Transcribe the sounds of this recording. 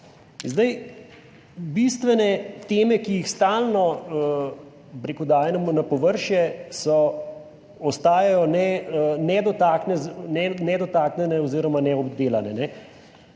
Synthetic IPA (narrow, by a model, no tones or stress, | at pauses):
zd̪aj | bist̪ʋɛnɛt̪eːmɛkijixst̪aːlnɔ | pɾekud̪aːjɛnɛmunapɔʋəɾʃjɛsɔ | ɔst̪aːjajɔnɛnɛd̪ɔt̪aːknɛznɛnɛd̪ɔt̪aːknʲɛnɛɔziːɾɔmanɛɔbd̪eːlanɛnɛ